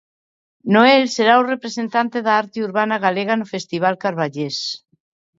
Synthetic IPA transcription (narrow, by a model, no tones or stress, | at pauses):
noelseɾaurepɾesent̪ant̪eðaaɾt̪euɾβanaɣaleɣ̞anʊfest̪iβ̞alkaɾβaʎes